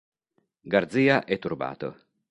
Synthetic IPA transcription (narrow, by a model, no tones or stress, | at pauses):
ɡard̪ziːaʔɛt̪ːurba̰ːt̪o̰